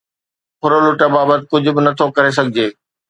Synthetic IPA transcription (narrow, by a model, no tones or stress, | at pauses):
pʰʊɾolʊʈəbaːbət̪ɪ̆kʊd͡ʑʱʊ̆bɪnɐt̪ʰokɐɾes̬ɐɡʱɪd͡ʑeː